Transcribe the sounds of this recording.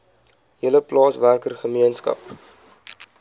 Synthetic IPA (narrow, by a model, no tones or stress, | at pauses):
ɦiələplɑːsværkərχəmiənskɐ̰p̚